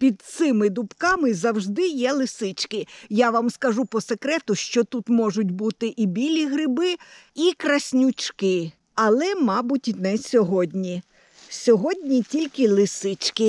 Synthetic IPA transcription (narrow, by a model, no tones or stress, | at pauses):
pʲid̪̚t̪sɪmɪd̪ʊpkɑmɪzɐwʒd̪ɪjɛlˠɪsɪt͡ʃkɪjaʋɑmskɐʒupɔsekɾɛt̪ʊʃt͡ʃɔt̪ut̪mɔʒʊt̚ʲbut̪ɪʔibʲilʲiɦɾɪbɪikɾɐsʲnʲʊt͡ʃkɪ | ɐlˠɛmɑbʊtʲnɛsʲɔɦɔdʲnʲi | sʲɔɦɔdʲnʲitʲilʲkɪlˠɪsɪt͡ʃkɪ